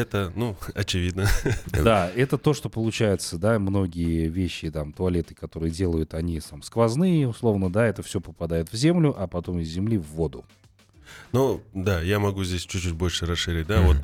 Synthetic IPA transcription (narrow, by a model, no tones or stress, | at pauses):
ɛt̪ənuɐt͡ɕɪvʲid̪nəd̪aɛt̪ət̪o̞ʂt̪o̞pəlˠʊt͡ɕæjɪt̪səd̪amno̞ɡʲɪjəvʲeɕːɪt̪amt̪ʊɐlʲe̞t̪ɨ̥kɐt̪o̞ɾɨjədʲe̞lˠəjʊt̪ɐnʲisamskvɐznɨjʊslˠo̞vnəd̪aɛt̪əfsʲopəpɐd̪ajɪt̪vzʲe̞mlʲʊʔɐpɐt̪o̞mɪzʲːɪmlʲivːo̞d̪ʊ | nod̪ajamɐɡuzʲdʲesʲt͡ɕʉt͡ɕːut̚ʲbo̞lʲʂɨɾɐsʂɨɾʲɪt̚ʲd̪avot̪